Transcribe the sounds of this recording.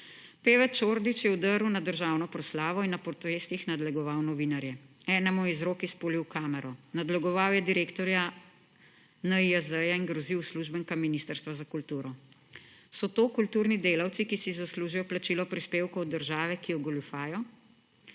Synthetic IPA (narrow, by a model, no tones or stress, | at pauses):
peːʋɛɾt͡ʃoːɾd̪it͡ʃjɛud̪əɾuwnad̪əɾʒaːwnɔpɾɔslaːʋɔinːapɔɾt̪ɔʋeːst̪ixnad̪lɛɡɔʋawnɔʋinaɾjɛɛːnɛmɔizɾoːkispoːliwkaːmɛɾɔnad̪lɛɡɔʋawjɛd̪iɾeːkt̪ɔɾja | nəiazəjaiŋɡɾɔziwsluʒbəŋkaminist̪əɾst̪ʋazakult̪uːɾɔ | sɔt̪oːkult̪uːɾnid̪eːlawt̪sikisizasluːʒijɔplat͡ʃilɔpɾispeːwkɔwd̪əɾʒaːʋɛkijɔɡɔlufaːjɔ